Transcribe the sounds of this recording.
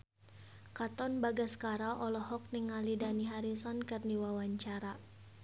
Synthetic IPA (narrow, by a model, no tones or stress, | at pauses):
kat̪ɔnbaɡaskaɾaʔɔlɔɦɔk̚niŋalidaniɦaɾisɔnkɨrniwawaɲt͡ʃaɾa